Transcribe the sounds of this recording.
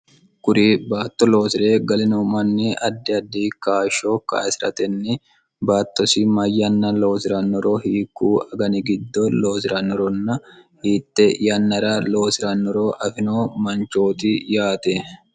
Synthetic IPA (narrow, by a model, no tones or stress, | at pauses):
kʊɾiːbaːt̪ːɔlo̞ːsɪɾeːɡɐlɪnumɐnːiɐd̪ːɪɐd̪ːikaːʃoːka̰ːsɪɾɐ̰t̪ɛnːɪ | baːt̪ːɔsɪmɐjːɐnːɐlo̞ːsɪɾɐnːɔɾoːhiːkːuːɐɡɐnɪɡɪd̪ːɔloːsɪɾɐnːɔɾɔnːɐhiːt̪ːɛjɐnːɐɾaːlo̞ːsɪɾɐnːɔɾoːʔɐfɪnoːmɐnt͡ʃo̞ːt̪ɪjaːt̪ɛ